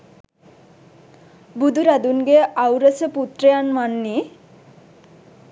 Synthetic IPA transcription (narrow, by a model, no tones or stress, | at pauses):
bud̪ʱuɾad̪unɡeawɾəsəput̪ɾəjanmanːi